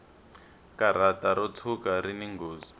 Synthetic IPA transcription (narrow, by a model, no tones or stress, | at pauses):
kaɾ̤ataɾɔt͡sʰukaɾiniŋɡoːzi